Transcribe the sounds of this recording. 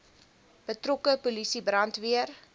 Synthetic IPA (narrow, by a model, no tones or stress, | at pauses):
b̥ətrokəpulisibrɐntviər